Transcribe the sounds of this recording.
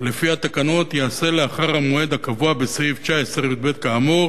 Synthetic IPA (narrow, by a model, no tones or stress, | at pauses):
le̞fihat̪akano̞t̪jease̞leaχaʁhamoe̞d̪akavuabesʁivt͡ʃaeseʁjud̪̚be̞t̪̚kaːmoʁ